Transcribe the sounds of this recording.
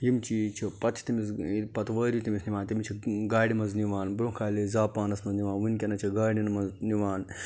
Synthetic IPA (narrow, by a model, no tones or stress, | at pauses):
jimt͡ʃʰit͡ʃʰipɐt̪ʰt̪imispɐt̪ʋɐːɾit̪imisniʋaːnt̪imt͡ʃʰiɡaːɽʲimɐnzniʋaːnbɾokʰaːlezaːpaːnɐsnɐzniʋãːnʋɨnkʲɐnɐt͡ʃʰiɡaːɽʲinmɐzniʋaːn